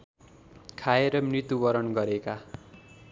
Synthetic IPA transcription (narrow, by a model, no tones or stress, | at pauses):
kʰaeɾʌmrit̪ubʌɾʌnɡʌɾeka